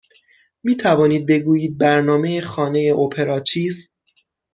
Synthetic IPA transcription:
miːt̪ʰævɒːniːd̪̚be̞ɡuːjiːd̪̚bæɾnɒːme̞jexɒːnejeʔopʰe̞ɾɒːt͡ʃʰiːz

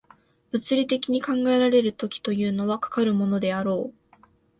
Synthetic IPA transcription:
b̥ɯ̟t͡sɨɾʲit̪e̞kʲiɲ̟ikãŋɡae̞ɾaɾe̞ɾɯ̟t̪o̞kʲi̥t̪o̞jɯ̟ːno̞βakḁkaɾɯ̟mo̞no̞d̪e̞aɾo̞ː

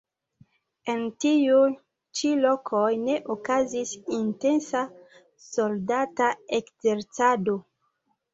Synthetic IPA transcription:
entiu | t͡ʃilokʰojne̞ʔokazisinte̞nsa | soldataekz̥eɾt͡sado

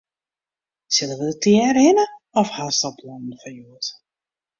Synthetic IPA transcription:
sɪlˠəʋədətʰjɛːrɦɪnə | ɔfhastɔpʰlɔnən̩fɔnjuət

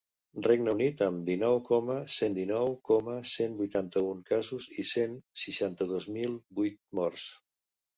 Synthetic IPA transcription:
reɡnəunit̪əmd̪inɔwkɔməsend̪inɔwkɔməsenbujt̪ant̪əuŋkazuzisensiʃant̪əðozmilˠbujt̪̚mɔɾs

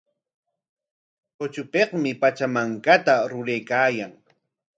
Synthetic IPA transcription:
hot͡ʃʊpeχmɪpat͡ʃamaŋkat̪aɾʊɾejkaːjaŋ

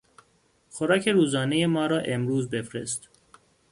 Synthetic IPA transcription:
xoɾɒːcʰe̞ɾuːzɒːnejemɒːɾɒːʔe̞mɾuːzbe̞fɾe̞̰st̪

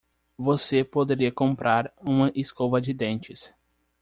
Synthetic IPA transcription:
vosepod̪eɾiɐkõmpɾʔaɾũmɐʔɪskovɐd͡ʒɪd̪ẽnt͡ʃɪs

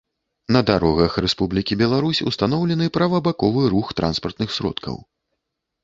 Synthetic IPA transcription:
nɐd̪aɾɔɣɐxrɛspublʲikʲibʲɛlˠaɾusʲṵst̪an̪ɔwlʲɛnɨpɾɐvɐbakɔvɨɾuxt̪ɾa̰nspɐrt̪nɨxsʲɾɔ̰t̪kʰɐ̰w

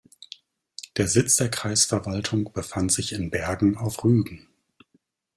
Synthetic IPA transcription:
d̥eːɐzɪt͡sd̥eːɐkʁ̥aɪsfɛɐvaltʰʊŋb̥əfantz̥ɪçɪnbɛɐɡŋ̩aʊfʁyːɡŋ̩

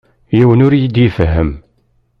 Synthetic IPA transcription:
jiwənʊɾjid̪ifəɦəm

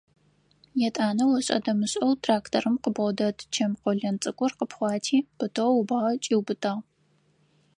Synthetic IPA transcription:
jɛtʼaːnɐwɐɕʼɐ̰dɐmɨɕʼɐwtʰraːktʰorɨmqəbʁʷɔdɐtʰʼt͡ʃʰɐmqʷɔɮɐnt͡sʼɨkʷʼʊrqəpχʷɑːtʰiːb̥ɨtʰʼɐwʊbaːʁɐt͡ʃʼiːwbɨtʼaːʁ

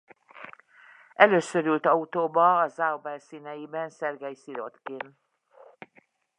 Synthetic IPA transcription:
ʔɛløːsøɾylt̪ɒut̪oːbɒːzawbɛlsinɛjibɛnsɛrɡɛjsiɾot̪ken

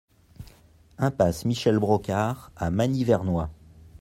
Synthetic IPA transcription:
ɛ̃pasmiʃɛlbʁɔkʲaʁamanivɛʁnwa

